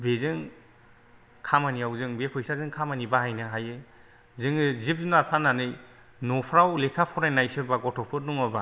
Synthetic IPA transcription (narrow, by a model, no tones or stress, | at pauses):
bezɯŋ | kʰamaniawzɯŋbepʰɯjsazɯŋkʰamanibaɦajnɯɦajɯ | zɯŋɯzip̚zunaɾpʰananɯj | nɔpʰɾawlekʰapʰɔɾajnajsɯbaɡɔtʰɔpʰɯt̚nuŋɔba